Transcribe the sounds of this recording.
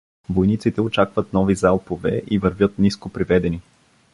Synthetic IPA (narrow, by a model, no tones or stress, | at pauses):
vojnit̪sit̪ɛot͡ʃakvət̪nɔvizalˠpovɛ̰ʔivəɾvʲjɤt̪niskopɾivɛd̪ɛni